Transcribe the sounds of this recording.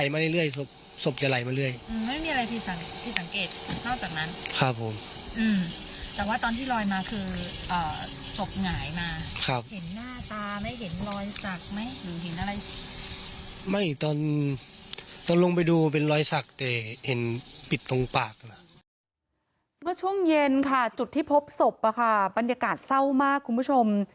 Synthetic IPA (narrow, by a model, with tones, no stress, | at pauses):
a˨˩jmaː˧la˥˩jlɯ˥˩əjso˧˩p̚ | so˨˩p̚t͡ɕa˨˧˦la˨˩jmaː˧lɯ˥˩əjʔɯː˧mma˥˩jmiː˧a˧a˧jp̪ʰi˧˩t̪̚sa˨˩˦ŋpʰi˧˩t̪̚sa˨˦ŋkeː˨˩t̪̚nɔː˥˩k̚t͡ɕaː˨˩k̚na˦˥nkʰa˧pʰːo˨˦m | ʔɯː˧m | t̪ɛː˨˩waː˥˩t̪ɔː˧nt̪ʰiː˥˩lɔː˧jmaː˧kʰɯː˧ | ʔɔː˨˩ | so˨˩p̚ŋaː˨˩˦jmaː˧kʰa˦˧˩p̚he˩˦nːaː˥˩t̪aː˧ma˦˥˩jɦe˩˦nlɔː˧jsa˨˩k̚ma˦˥jlɯː˨˦ɦe˨˦nʔa˧ɾa˧j | ma˥˩jt̪ɔː˧n | t̪ɔː˧nlo˧ŋp̬a˧jduː˧pe˧nlɔː˧jsa˨˩k̚t̪ɛː˨˩he˨˩˦npi˨˩t̪ːo˧ŋpaː˨˩k̚na˧˦˥ | mɯ˥˩ɐt͡ɕʰu˥˩əŋje˧nkʰa˥˩t͡ɕu˨˩t̪ʰːiː˥˩pʰo˦˥p̚so˨˩p̚ʔa˧˩kʰa˥˩ba˧njaː˧kaː˨˩t̪̚sa˥˩wmaː˥˩kʰːu˧npʰu˥˩t͡ɕʰo˧m